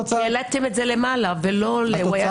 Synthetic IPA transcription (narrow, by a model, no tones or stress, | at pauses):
elat̪emetzelemalavelo̞lewaja